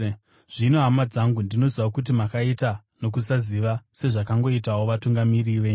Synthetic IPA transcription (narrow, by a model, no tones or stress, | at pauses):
ʐ̥ino̞ɦamad͡zaŋɡundino̞ziʋakut̬imakaita | no̞kusaziʋase̞ʐakaŋɡo̞itaoʋatuŋɡamiriʋeːɲ